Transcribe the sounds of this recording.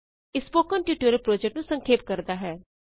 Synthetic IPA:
ɪspoːkənʈjuːʈoːɾəlpɾoːd͡ʒɛk̚ʈnũsə̃ŋkʰeːp̚kəɾd̪aːɦɛː

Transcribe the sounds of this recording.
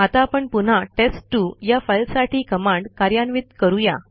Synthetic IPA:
at̪apəɳpun̤aʈesʈːujafajlsaʈʰiːkəmãɳɖkaɾjanʋit̪̚kəɾuja

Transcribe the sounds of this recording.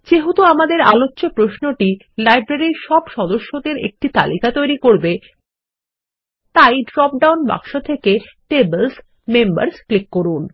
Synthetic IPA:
d͡ʑeɦut̪oamad̪eɾa̰lotːɕopɾoʃnoʈi | lajbɾeɾiɾʃɔbʃɔd̪oʃːod̪eɾḛk̚ʈit̪a̰likat̪ojɾikoɾbe | t̪ajɖɾɔp̚ɖawnba̰kʃot̪ʰekeʈebels | memba̰ɾsklikːoɾun

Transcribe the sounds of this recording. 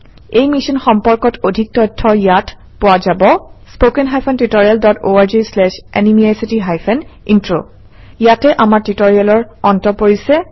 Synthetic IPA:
ejmisɔnxɔmpɔɹkɔtodʱik̚tɔjtʰːɔjat | powazabɔspokɛnɦajpʰɛntitoɹialdɔtoaɹd͡ʒeslɛʃɛ̰nimiajsitiɦajpʰɛnintɹo̰ | jatɛʔamaɹtitoɹialɔɹ | ɔntɔpoɹisɛ

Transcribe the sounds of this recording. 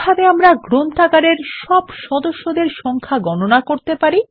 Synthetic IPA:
bʱabeamɾaɡɾont̪aɡaɾeɾʃɔbʃɔd̪oʃːod̪eɾʃɔŋkʰaɡɔnonakoɾt̪epaɾi

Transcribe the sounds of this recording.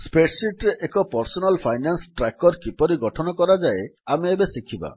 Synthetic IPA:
speʈsiʈɾeʔekɔpɔɾsɔnalpʰajnansʈɾakɔɾkipɔɾiɡɔʈʰɔnɔkɔɾad͡ʒaeameebesikʰiba̰

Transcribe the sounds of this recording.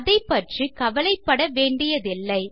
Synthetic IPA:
ðɐɪpːɐʈrikɐʋɐlɐɪpːɐɽɐʋeːɳɖɪjɐðɪlːɐɪ

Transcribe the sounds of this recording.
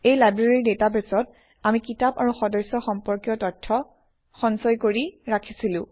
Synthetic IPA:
ejlajbɹaɹidetabesɔt̚ | amikitaba̰ɹuxɔdɔsɔxɔmpɔɹkjɔtɔtʰːɔ | xɔnsɔjkoɹiɹakʰi̥silʊ̃

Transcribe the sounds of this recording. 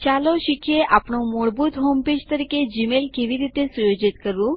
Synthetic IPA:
t͡ɕaloɕikʰjeʔapɳõmoɭbuːt̪ɦomped͡ʑt̪əɾiked͡ʑimelkeʋiɾit̪esujod͡ʑit̪kəɾũː

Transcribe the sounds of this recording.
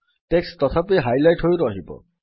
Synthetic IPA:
ʈekst̪ɔt̪ʰapiɦajlajʈɦojɾɔɦibɔ̰

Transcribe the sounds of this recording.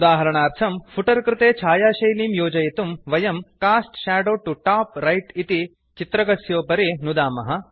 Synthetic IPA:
d̪aːɦɐɾɐɳaːɾt̪ʰɐmfʰuʈɐɾkɾɪt̪eːt͡ʃʰaːjaːʃɐjliːmjoːd͡ʒɐjɐt̪umʋɐjɐmkaːsʈʃaːɖoːʈuʈaːpɾɐjʈit̪i | t͡ʃit̪ɾɐɡɐsjoːpɐɾenud̪aːmɐɦɐ

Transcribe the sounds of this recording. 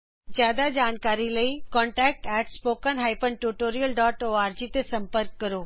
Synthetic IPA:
t͡ɕjaːd̪ad͡ʑaːnkaːɾiləikɔ̃ːɳʈɛːk̚ʈɛːʈspoːkənɦaːɪpənʈuʈoːɾijəlɖɔːʈoːaːɾd͡ʑit̪esɐ̃mpəɾkːɐɾoː

